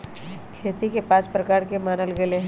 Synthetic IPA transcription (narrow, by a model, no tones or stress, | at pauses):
kʰeːt̪ikepaːt͡ʃpɾɐkaːɾkemaːnəlɡeleɦ